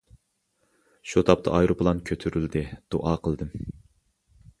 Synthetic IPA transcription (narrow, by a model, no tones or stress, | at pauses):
ʃut̪ʰɑp̚t̪ʰɑ̰ʔɑjɾopʰɨlˠɑnkʲʰøt̪ʰyɾyld̪ɪd̪̥oʔɑːqʰəlˠd̪ɨm